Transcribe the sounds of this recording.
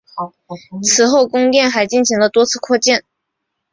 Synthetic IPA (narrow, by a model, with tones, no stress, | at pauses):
t͡sʰɹ̩˧˥xo˥˩ʊkʊ˥ŋt̪jɛ˥˩nxa˧˥ɪt͡ɕi˥˩nɕi˧˥ŋlə˧t̪wɔ˥t͡sʰɹ̩˥˧kʰɔ˥˧t͡ɕjɛ˥˩n